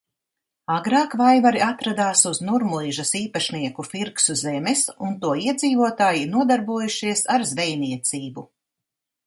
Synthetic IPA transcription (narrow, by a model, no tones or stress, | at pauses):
aɡɾaːkvajvaɾiat̪ɾad̪aːsuznuɾmulˠiːʒɐsiːpaʃniɛkufiɾksuzɛmɛsunt̪uɔiɛd̪ziːvuɔt̪aːjinuɔd̪aɾbuɔjuʃiɛsaɾzvɛjniɛt̪siːbu